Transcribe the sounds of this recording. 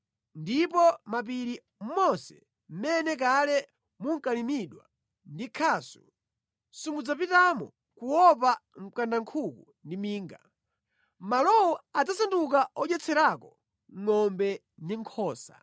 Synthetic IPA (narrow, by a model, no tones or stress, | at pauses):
ndipɔmap̬iɾi | m̩mɔsɛ̥̰ | m̩mɛnɛk̬alɛ | muŋ̩kalimiɗwa | ndikʰaːsu̥̰ | sumud͡zapitamɔ̰ | kuwɔpam̩kandaŋkʰuku | ndimiːŋɡa̰ | malɔwɔad͡zasandukaɔd͡ʒɛt͡sʰɛɾakɔ | ŋɔmbɛ | ndiŋkʰɔːsa̰